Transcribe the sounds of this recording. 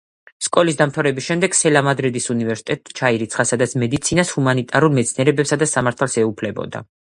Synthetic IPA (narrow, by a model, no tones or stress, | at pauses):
skʼɔlis̬d̪amt̪ʰavɾɛbisʃɛmd̪ɛɡ̥sɛlamad̪ɾid̪isunivɛɾsi̥t̪ʼɛt̪ʼt͡ʃʰaiɾit̪sʰχasad̪at̪sʰmɛd̪it̪sʰinashumanit̪ʼaɾulˠmɛt̪sʰniɛɾɛbɛpsad̪asamaɾt̪ʰalˠsɛupʰlɛbɔ̰d̪a̰